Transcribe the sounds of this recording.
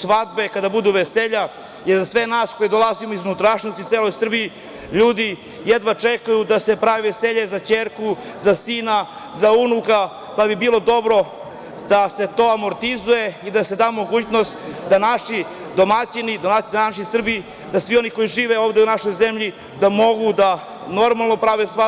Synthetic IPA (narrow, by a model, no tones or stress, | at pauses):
sʋad̪̚be̞kad̪abud̪uʋeseʎa | jeɾzasʋe̞naːsko̞jed̪o̞lˠazimoizunut̪ɾaʃnost̪it̪seːlo̞jsr̩bii | ʎuːd̪i | jed̪ʋat͡ʃekajud̪ase̞pɾaʋeʋe̞seʎe̞zat͡ɕeːɾku | zasiːna | zaunuka | pabibiːlo̞d̪o̞bɾo̞ | d̪̥ase̞t̪o̞amo̞ɾt̪izuje̞id̪ase̞d̪aːmo̞ɡuːt͡ɕnost̪d̪anaʃi | d̪o̞mat͡ɕinid̪omad̪anaʃ̬isr̩bii | d̪asʋio̞niko̞jiʒiːʋeoːʋd̪eunaʃo̞jzemʎi | d̪amo̞ɡud̪a | no̞ɾmalˠno̞pɾaʋesʋa